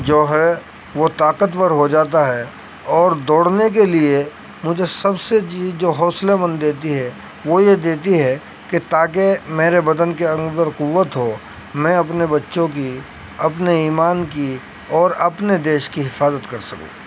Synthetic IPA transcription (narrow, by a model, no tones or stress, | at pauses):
d͡ʒoːɦɛ | ʋot̪aːqət̪wəɾɦod͡ʒaːt̪̬aɦɛ | ɔːɾd̪ɔːɽnek̬elie | mʊd͡ʒʱesɐbseid͡ʒoːɦɔːslemɐ̃nd̪eːt̪iɦɛ | ʋojed̪eːt̪̬iɦɛ | ket̪aːk̬emeːɾebɐd̪ənk̬eɐ̃ŋɡd̪əɾqʊʋːət̪ɦo | mɛ̃ɐp̬nebɐtːʃõk̬i | ɐpneiːmaːnki | ɔːɾɐpned̪eːʃkiɦɪfaːzət̪kɐɾsɐkṵ̃ː